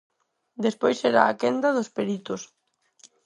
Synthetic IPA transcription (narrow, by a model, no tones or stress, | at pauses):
d̪espojsɛɾa̰akɛnd̪aðospeɾit̪ʊs